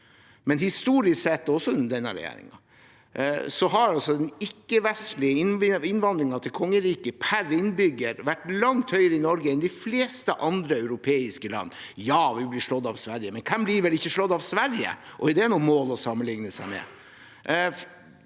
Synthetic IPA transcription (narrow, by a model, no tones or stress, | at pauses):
mɛnhɪst̪uːɾɪssɛt̪ːɔsːɔʉnːəd̪ɛnːə̰ɾɛ̰jḛːɾɪ̰ŋɑ | sɔɦɑɾɑlsɔd̪ɛnɪkːəʋɛst̪lɪəɪɪnʋɑnd̪ɾɪŋɑt̪ʰɪlkʰɔŋːəɾiːkəpʰæɾɪnbʏɡːəɾʋæʈːlɑŋt̪hœʏɾəɪnɔɾɡəɛnd̪ɪfleːst̪əʔɑnd̪ɾəœʉɾʊpʰeːɪskəlɑ̰nː | jɑːʋɪblɪʂɭɔd̪ːɑʋsʋæɾjəmɛnkʰɛmbliɾʋɛlɪçːəʂɭɔd̪ːɑʋsʋæɾjə̰ʔɔd̪ɛæɳumoːlɔsɑmːənlɪŋnəsæɪmɛ̰